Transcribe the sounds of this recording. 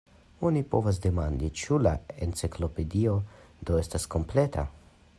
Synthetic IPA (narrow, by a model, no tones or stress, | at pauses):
onipo̰vas̬d̪emand̪it͡ʃulaent͡siklo̞ped̪io | d̪oest̪asko̞mplet̪ʰa̰